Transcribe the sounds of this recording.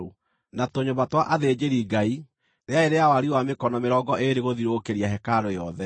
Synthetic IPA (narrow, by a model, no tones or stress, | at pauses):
o | natoɲombatwaʔaðed͡ʑeɾiɡai | ɾeaeɾeawaɾiwamekɔnɔmeɾɔɡɔʔeɾeɣoðiɾokeɾiaɦɛkaɾojɔðɛ